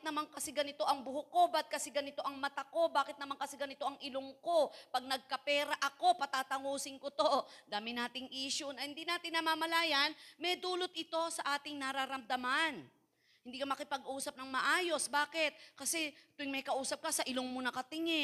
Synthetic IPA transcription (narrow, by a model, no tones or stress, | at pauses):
ɪt̪nɐmaŋkɐsɛɡɐnɪt̪o̞ʔɐŋbʊhoko̞bɐt̪̚kɐsɛɡɐnɪt̪o̞ʔɐŋmɐt̪ɐko̞baːkɪt̪nɐmaŋkɐsɛɡɐnɪt̪oʔɐŋʔɪloŋko̞pɐɡ̚nɐɡ̚kɐpɛːɾɐʔɐko̞pɐt̪aːt̪ɐŋuːsɪŋkot̪od̪aːmɪnaːt̪ɪŋʔiːʃʊnɐhɪnd̪inaːt̪ɪnːɐmaːmɐlaːjɐnmɛjd̪uːlot̪̚ʔɪt̪o̞sɐʔaːt̪ɪŋnɐɾaɾɐmd̪ɐman | hɪnd̪iːkɐmɐkɪpɐɡʔuːsɐp̚nɐŋmɐʔaːjo̞sbaːkɪt̪̚kɐsɛt̪ʊjɪŋmɐjkɐʔuːsɐp̚kɐsɐʔɪloŋmonɐkɐt̪ɪŋɪ